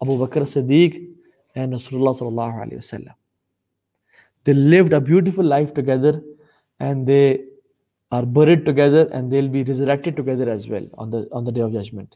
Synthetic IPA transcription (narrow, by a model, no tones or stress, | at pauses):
ɐbuːbɐkəɾsɪd̪iːk | ɛ̃nɖɾɐsuːlʊlːɑːsʌlːəlːɑːɦoə̰lḛːʋəsə̰lːə̰̃m | d̪̥eːlɪʋɖəbjuːʈ̬ɪfʊlːaɪfʈuɡɛd̪əɾ | ʔɛ̃ɳɖd̪eː | aːɾbəɾiɖ̚ʈuɡɛd̪əɾɛ̰̃nɖd̪eːlbiːɾɪzəɾɛk̚ʈɪɖ̚ʈuɡɛd̪əɾæzʋɛ̰l̰̃ːnd̪əɔ̃ːnd̪əɖeːɔʋd͡ʒɐd͡ʒmə̃ɳʈ